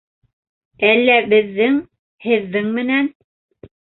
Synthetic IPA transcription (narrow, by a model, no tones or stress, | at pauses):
ælːæbɘ̆ðːɘŋ | hɘ̆ðːɘŋmɘ̆næn